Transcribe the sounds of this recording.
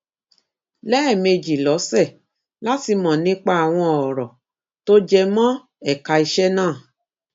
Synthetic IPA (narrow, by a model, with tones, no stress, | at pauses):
lɛ˦ɛ˦˨me˧d͡ʒi˨lɔ˨˦sɛ˦˨ | la˦ti˧mɔ̃˨nĩ˨˦k͡pa˦a˨w̃ɔ̃˧ɔ˨ɾɔ˨ | to˦d͡ʒɛ˧mɔ̃˦ | ɛ˦˨ka˧i˧ʃɛ˦nãː˦˨